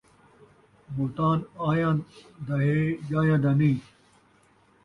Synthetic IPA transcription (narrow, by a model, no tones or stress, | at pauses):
mult̪aːnaːjãːd̪ɐɦejaːjãːd̪anĩː